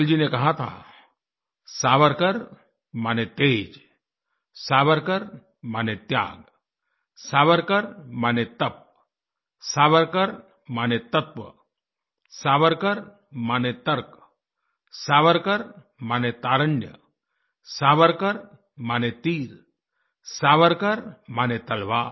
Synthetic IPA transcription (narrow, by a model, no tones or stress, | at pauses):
ld͡ʒinekɐɦat̪ʰa̰ː | saːʋəɾkəɾ | maːnet̪eːd͡ʒ | saːʋəɾkəɾ | maːnet̪ja̰ːɡ | saːʋəɾkəɾmaːnet̪ɐp̚ | saːʋəɾkəɾ | maːnet̪ɐt̪ʋə̰ | saːʋəɾkɐɾ | maːnet̪ɐɾk | saːʋəɾkɐɾ | maːnet̪aːɾəɳɖjə̰ | saːʋəɾkɐɾ | maːnet̪iːɾ | saːʋəɾkɐɾmaːnet̪ɐlʋaː